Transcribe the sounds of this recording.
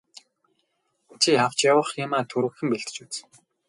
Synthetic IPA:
t͡ɕʰiaw̥t͡ɕjawə̆χjʊmaːt̪ʰɵɾɘ̆xɘ̆mpeɮt̪̆t͡ɕut͡s

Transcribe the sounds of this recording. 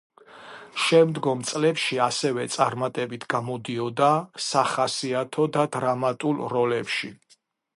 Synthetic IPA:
ʃɛmd̪ɡɔmt̪sʼlɛpʃiasɛvɛt̪sʼaɾmat̪ʼɛbit̪ʰɡamɔd̪iɔd̪asaχasiat̪ʰɔd̪ad̪ɾamat̪ʼulˠɾɔlɛpʃi

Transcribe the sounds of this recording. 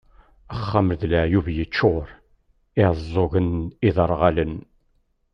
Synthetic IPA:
əχːaməɾðləʕjuvjət͡ʃːoɾˤ | ɪzˤːoɣənɪðəɾˤʁalən

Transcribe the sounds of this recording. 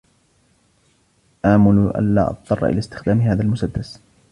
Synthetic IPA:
ʔaʕmʊlʔa̰nlaːʔɑ̰t̪̚ˤt̪ːˤɑrˤːɑʔɪ̰laːst̪ɪ̥xd̪aːmɪɦaːðalmʊsad̪ːas

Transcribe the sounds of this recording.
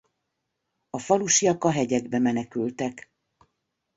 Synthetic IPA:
ɒfɒluʃijɒkɒɦɛɟɛɡbɛmɛnɛkylt̪ɛk

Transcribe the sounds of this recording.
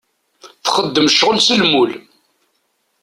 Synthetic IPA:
θχəd̪ːəmʃʁəlsəlmul

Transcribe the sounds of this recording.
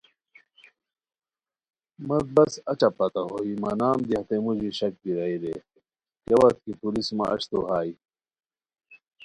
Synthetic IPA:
mɐt̪̚bɐsɐt͡ɕɐpɐt̪ɐɦoːimɐnaːmd̪ihɐt̪emud͡ʑiɕɐk̚biɾɐiɾe | kɐwɐɾt̪̚kipulismɐ̰ɐ̰ɕt̪oɦaːi

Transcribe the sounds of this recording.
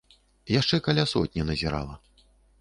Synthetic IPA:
jaʂt͡ʂɛkalʲasɔ̰t̪ʲnʲɐnɐzʲɛɾa̰lˠɐ

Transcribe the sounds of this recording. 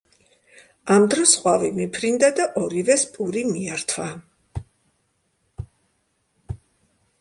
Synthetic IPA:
amd̪ɾɔsχʼwavimipʰɾind̪ad̪aʔɔɾivɛspʼuɾimiaɾt̪ʰwa

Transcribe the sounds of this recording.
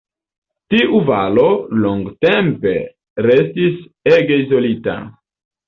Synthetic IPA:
tiʔuvalo̞loŋɡtempe̞ | ɾes̬tiseɡeizo̞lita̰

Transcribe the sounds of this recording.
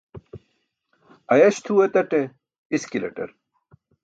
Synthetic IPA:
ɐjɐɕt̪ʰuwet̪ɐʈe | iskilḛʈɐ̰ɾ

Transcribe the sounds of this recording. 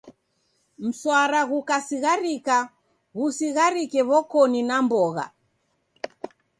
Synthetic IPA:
m̩swaɾaɣukasiɣaɾika | ɣusiɣaɾikɛβɔkɔninambɔɣa̰

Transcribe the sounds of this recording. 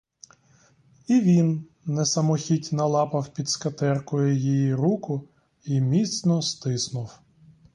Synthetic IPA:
iʋʲinː | ɛsɐmɔxʲitʲnɐlˠɑpɐwpʲid̪skɐt̪ɛrkɔjʊjijiɾukʊ | imʲit̪snɔst̪ɪsnʊw

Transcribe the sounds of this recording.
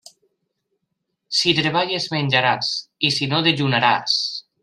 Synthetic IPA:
sit̪ɾeβaʎezmenʲd͡ʒaɾasisinoðeʎunaɾa̰s

